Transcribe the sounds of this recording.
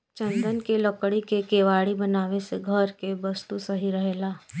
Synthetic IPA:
t͡ʃə̃nd̪ənkelɐkɽikekeːʋaːɽibɐnaːʋeseɡʱəɾkebɐst̪usɐɦiɾɐɦeːlaː

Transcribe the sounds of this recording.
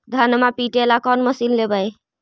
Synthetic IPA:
d̪ʱanmapiʈelakɔnməsillebəj

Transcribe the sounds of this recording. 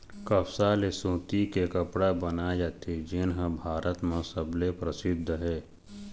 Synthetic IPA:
kəwsaːlesũːt̪ikekəpɽabənad͡ʒat̪ʰed͡ʒenɦə̃bʱaːɾʔət̪mãsəblepɾəsɪd̪ʱːəɦɛː

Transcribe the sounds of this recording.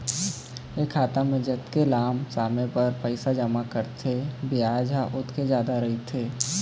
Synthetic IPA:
ekʰːaːt̪aməd͡ʒət̪kelaːmsaːmẽpɐɾpəɪsad͡ʒəmakəɾt̪ʰebɪjaːd͡ʒaʔʊt̪ked͡ʒjaːd̪aɾɐɦit̪ʰeː

